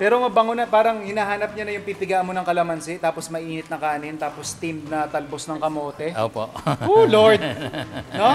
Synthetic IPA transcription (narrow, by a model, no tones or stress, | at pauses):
pɛːɾomɐbɐŋonɐpaːɾɐŋhɪnaːɦaːnɐp̚ɲɐnɐjʊŋpipɪɡaʔmonɐŋkɐlɐmɐnsɪt̪aːpo̞smɐʔiːnɪt̪̚nɐkaːnɪnt̪aːpost̪imnɐt̪ɐlbosnɐŋkɐmoːt̪ɛʔo̰ːpooloɹd̪̚no